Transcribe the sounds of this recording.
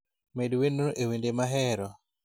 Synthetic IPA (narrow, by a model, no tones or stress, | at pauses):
medwenːoʔewendemaɦɛɾɔ